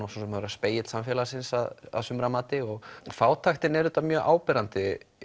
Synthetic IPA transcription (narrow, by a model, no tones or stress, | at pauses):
awsɔsɛmaðɾaspeːjɪt̪samfjɛlaɾsɪnsaða̰ðsʏmɾamaːt̪ɪɔɣfaːwt̪ʰaxt̪ɪnɛɾʏt̪amjœːɣʔa̰ːwpɛɾant̪ɪ